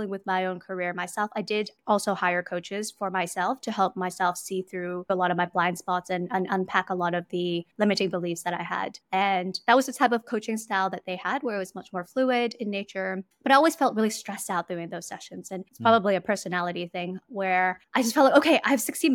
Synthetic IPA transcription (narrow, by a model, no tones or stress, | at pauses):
lˠɪ̃ŋwɨðmaɪõʊ̃nkʰə˞ɪɹmaɪsɛlˠfaɪdɪɾɔlˠsoʊhaɪə˞kʰoʊt͡ʃɪz̥fə˞maɪsɛlˠftʰɨhɛlˠp̚maɪsɛlˠfsiθɹʉəlɔɾʌvmaɪblãɪ̃nd̥spɑtsɨ̃nʌ̃nʌ̃npʰækəlɔɾʌvðɨlɪ̃mɨɾɪ̃ŋbəlifsðɨɾaɪə̰dɨ̃nðət̚wʌzðɨtʰaɪpʌv̥kʰoʊt͡ʃɪ̃ŋstaɪlˠðɨt̪̚ðeɪəd̚wə˞ɨt̚wʌzmʌt͡ʃmɔɹfluɪɾɨ̃nːeɪt͡ʃə˞b̥ʌɾaɪɔlˠwiz̥fɛlˠt̚ɹɪlˠistɹ̥ɛsaʊt̚d̥ʉɪ̃ŋðoʊz̥sɛ̰ʃɨ̃nz̥ɨ̃nɪtspʰɹ̥ɑbəbliɨpʰɜ˞sɨnælˠəɾiθɪ̃ŋwə˞ʔaɪd͡ʒʌstfɛlt̚laɪoʊkʰeɪʔaɪɨv̥sɪksi